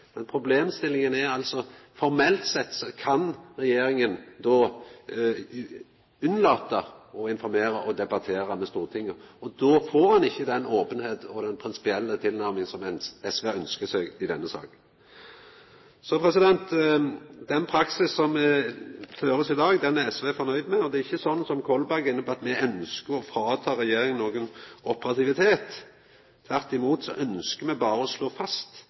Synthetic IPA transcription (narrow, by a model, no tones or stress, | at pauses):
mɛnpʰɾʊbleːmst̪ɪlːɪŋənæɾɑlsɔfɔɾmɛlt̪sɛt̪ːsɔkʰɑnɾɛjeːɾɪŋənd̪ɔ | ʉnlɑːt̪əɔɪnfɔɾmeːɾəʔɔd̪ɛbɑt̪ʰeːɾɑmɛst̪uːʁət̪ʰɪŋːəɔd̪ɔfoːɾhɑnɪçːəd̪ɛnoːpənheːt̪ɔd̪ɛnpʰɾɪnsɪ̥pɪɛlːət̪ʰɪlnæɾmɪŋsɔmɛnɛsʋeœnskəsɛɡɪd̪ɛnːəsɑ̰ːk | sɔpʰɾɛsɪd̪ɛnt̪ | d̪ɛnpʰɾɑksɪsːɔmɛføːɾəsɪd̪ɑːɡd̪ɛnæɛsʋeːfɔʁnœʏd̪mɛɔd̪ɛɪçːəsɔnːsɔmkʰɔlbæɡɪnːəpɔɑt̪mɛœnskəɾɔfɾɑːt̪ʰɑːɾɛjeːɾɪŋnoːɡənʔɔpəɾɑt̪ɪʋɪt̪ʰeːt̪ʰː | ʋæʁt̪ɪmuːt̪sɔ̰ʔœnskəmɛbɑːɾəɔsloːfɑst̪